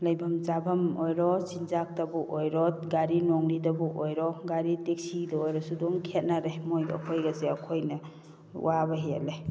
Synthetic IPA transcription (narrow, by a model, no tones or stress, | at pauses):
lajbʱɐmt͡ʃabʱamojɾɔsinzak̚tabuʔojɾɔt̚ɡaɾinɔŋɾidabuʔojɾɔɡaɾitek̚sidaojɾɔsudoŋkʰet̚naɾemojɐ̰kʰojɡaseakʰojnɐ | wabaɦia̰le